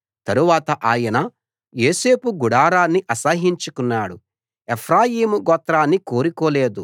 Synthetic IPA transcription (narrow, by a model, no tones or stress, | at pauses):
t̪ɐɾuʋaːt̪ɐʔaːjɐnɐ | jo̞ːse̞ːpuɡuɽaːɾaːnːiʔɐsɐɦiɲt͡ʃukunːaːɽu | epʰɾaːjiːmuɡɔt̪ɾaːnːiko̞ːɾikɔːle̞ːd̪u